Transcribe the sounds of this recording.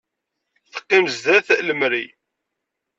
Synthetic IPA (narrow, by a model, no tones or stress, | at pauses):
θə̥qːimzd̪æθləmɾi